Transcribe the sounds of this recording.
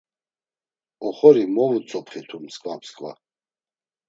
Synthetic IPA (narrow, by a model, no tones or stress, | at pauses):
ɔχɔɾimɔvut͡sʼɔpχit̪ʰumskʰʼvapʰskʼva̰